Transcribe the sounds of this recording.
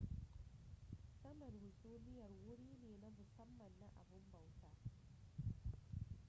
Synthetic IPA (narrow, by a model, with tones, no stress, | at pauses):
sɐ˦mɐ˨dhʊ˨suː˦nɪ˦jɐ˨rwʊ˦ɽiː˦neː˨na˦mʊ˨sɐ˦mːɐ˨nːa˦ʔa˨bʊ˦mbɐ˨wtaː˦